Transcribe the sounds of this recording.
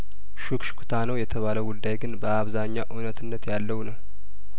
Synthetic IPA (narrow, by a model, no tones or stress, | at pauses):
ʃukʃkʰut̪ʰanəwjɛt̪ʰəβaləɡud̪ːajɡɨnbəaβzaɲːaʔunət̪ʰɨnːət̪jalːəwnəw